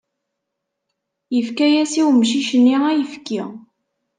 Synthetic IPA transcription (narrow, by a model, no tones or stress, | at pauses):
jəfkæjæsiwmʃiʃənːiæjəfki